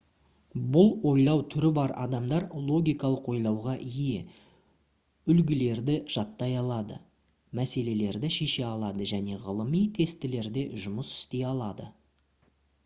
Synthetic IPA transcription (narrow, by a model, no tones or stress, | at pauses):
bʊlˠwo̞jlˠɑwt̪ʰʏɾɪbɑɾɑ̰d̪ɑmd̪ɑɾlˠo̞ɡʲijkɑlˠəqwo̞jlˠɑwʁɑʔije | ʏlɡʲɪle̞ɾd̪ɪʒ̥ɑt̪ːɑjɑlˠɑd̪ə̰ | mæse̞le̞le̞ɾd̪ɪʃe̞ʃe̞ɑlˠɑd̪əʒæne̞ʁəlˠəmijt̪ʰe̞st̪ɪle̞ɾd̪e̞ʒʊməsɪ̥st̪e̞jɑlˠɑd̪ə